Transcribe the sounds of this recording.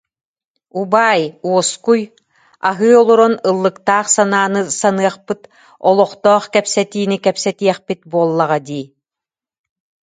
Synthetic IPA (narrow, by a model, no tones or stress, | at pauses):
ubaːjuɔskuj | a̰ɦɯːɔlˠuɾɔnɯlˠːɯkt̪aːχsanaːnɯsanɯɐχpɯt̪ | ɔlˠɔχt̪ɔːχkɛpsɛt̪iːnikɛpsɛt̪iɛχpit̪̚buɔlˠːaʁad̪iː